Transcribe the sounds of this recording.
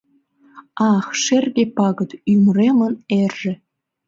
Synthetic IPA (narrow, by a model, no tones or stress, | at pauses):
ɑxʃerɣepɑɣə̆t̪ymremə̆nerʒĕ